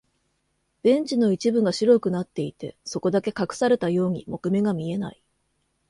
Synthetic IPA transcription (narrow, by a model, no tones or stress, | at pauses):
b̥ẽ̞ɲ̟t͡ɕino̞it͡ɕibɯ̟ŋɡaɕiɾo̞kɯ̟nat̪ːe̞it̪e̞̰so̞ko̞d̪ake̞kakɯ̟̥saɾe̞t̪ajo̞ːɲ̟imo̞kɯ̟me̞ɡamʲie̞na̰i